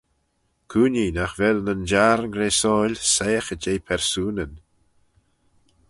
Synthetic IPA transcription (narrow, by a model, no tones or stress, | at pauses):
kʰuːninaxvɛlnənd͡ʒaɾnɡɾeːsɔːlʲsejəxəd͡ʒeːpʰɛɾsuːnən